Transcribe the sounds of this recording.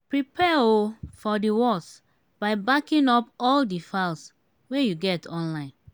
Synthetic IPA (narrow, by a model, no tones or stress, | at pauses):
pɹipʰɛofɔdiwɔs | b̥aɪbakĩnɔpɔldifals | wejuɡɛtʰɔ̃nlãɪ̃n